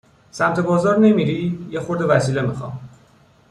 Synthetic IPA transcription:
sæmt̪ʰe̞bɒːzɒːɾne̞miːɾiːjexo̞ɾd̪e̞væsiːle̞mixɒ̰ːm

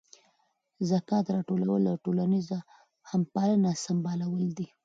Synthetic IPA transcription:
zakɑt̪ɾɑʈolawəlaʈolaniza | hampɑlənasambɑlawəld̪i

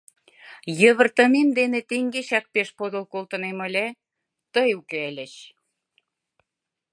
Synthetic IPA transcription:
jəβə̆rt̪ə̆nemd̪enet̪eŋɡeɕɑk̚peʃpod̪olkolt̪ə̆nemə̆lʲe | t̪əjukeelʲə̆ɕ

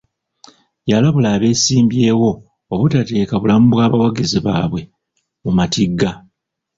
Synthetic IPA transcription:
jalaβulaːβe̞ːsiːmbje̞ːwo̞ː | βutate̞ːkaβulamubwaːβawaɡiziβa̰ːβwe̞ | mumatiɡːa

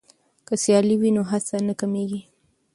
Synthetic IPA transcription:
kəsjɑliwinoɦasanəkameɡi

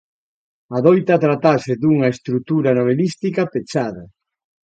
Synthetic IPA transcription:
aðojt̪ɐt̪ɾat̪asɪðuŋɐest̪ɾut̪uɾɐnoβ̞elist̪ikɐpet͡ʃaðɐ

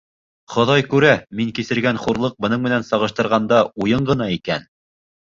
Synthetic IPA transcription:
χŏðɑjkʉɾæmiŋkisɘ̆ɾɡænχuɾlˠɤq̚bɤ̆nɤɴmɘ̆nænsɑʁɤ̆ʃt̪ɤ̆ɾʁɑnd̪ɑujɤɴɢɤ̆n̪ɑikæn

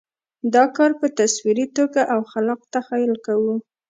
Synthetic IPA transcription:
d̪ɑkɑɾpət̪aswiɾit̪oɡaʔawxalɑq̚t̪axɑjlkawu

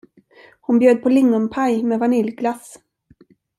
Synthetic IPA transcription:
hʊnbjøːd̪̚pʰɔlɪŋːɔmpʰajmɛvanɪlɡlas

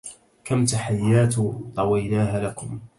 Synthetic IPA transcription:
kamt̪aħajːaːt̪t̪ˤɑwijlaːɦalakʊm

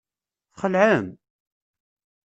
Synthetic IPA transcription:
θχəlʕəm

